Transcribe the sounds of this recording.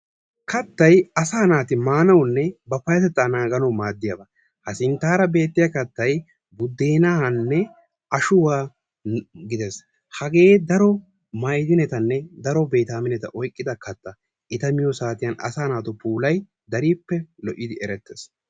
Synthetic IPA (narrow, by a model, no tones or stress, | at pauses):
kɐt̪ːɐjɐsaːnaːt̪ɪmaːnɐwnːɛbɐfɐjɐt̪ɛt̪ːanaːɡɐnɐwmaːd̪ːɪjɐbɐ | hɐsɪnt̪aːɾɐbe̞ːt̪ːɪjakɐt̪ːɐj | bʊd̪ːeːnahɐnːɛ | ɐʃʊwaː | ɡɪd̪ɛs | hɐɡe̞ːd̪ɐɾɔ | mɐjd̪ɪnɛt̪ɐnːɛd̪ɐɾɔbeːt̪aːmɪnɛt̪ɐ̰ʔɔjkʼːɪd̪ɐkɐt̪ːɐ | ʔɪt̪ɐmɪjɔsaːt̪ɪjɐnɐ̰saːnaːt̪ɔpuːlɐj | d̪ɐɾiːpːɛlɔʔɪd̪ɪʔɛɾɛt̪ːes